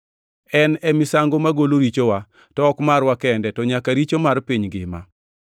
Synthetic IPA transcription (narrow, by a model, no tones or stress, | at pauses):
ɛnɛmɪsaŋɡomaɡoloɾit͡ʃowa | tɔɔkmarwakɛndɛtɔɲakaɾit͡ʃomarpiɲɡɪ̰ma̰